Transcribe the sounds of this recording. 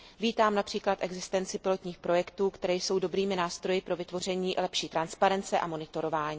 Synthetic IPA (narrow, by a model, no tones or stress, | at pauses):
viːt̪aːmnapr̥iːklat̪ʔɛɡzɪst̪ɛnt͡sɪpɪlo̞t̪ɲiːxpɾo̞jɛkt̪uːkt̪ɛɾɛːjso̞wdobɾiːmɪnaːst̪ɾo̞jɪpɾo̞vɪt̪vo̞r̝ɛɲiːʔlɛpʃiːt̪ɾanspaɾɛnt͡sɛʔamo̞nɪt̪o̞ɾo̞vaːɲiː